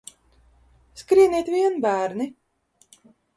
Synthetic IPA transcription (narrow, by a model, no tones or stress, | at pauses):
skɾiɛnʲiɛt̪vʲiɛnbæːɾni